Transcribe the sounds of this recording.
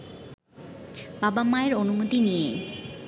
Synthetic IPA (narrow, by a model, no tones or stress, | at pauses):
babamaeɾonumot̪inije